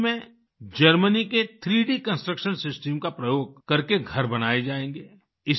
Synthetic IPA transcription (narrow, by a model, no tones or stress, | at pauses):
mẽ | d͡ʒəɾməniket̪ʰɾiːɖikə̃nsʈɾəkʃənsɪsʈəmkapɾɐjoːɡ̚kɐɾkeɡʱɐɾbɐnaːed͡ʒaːẽːŋɡeː | ɪs